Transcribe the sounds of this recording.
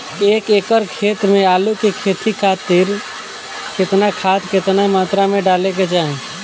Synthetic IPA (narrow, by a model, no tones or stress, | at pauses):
eːkeːkəɾkʰeːt̪mẽaːlukekʰeːt̪ʰikʰat̪ɪɾ | kɪt̪nakʰaːt̪kɪt̪namaːt̪ɾamẽɖaːlek̬et͡ʃaːɦẽ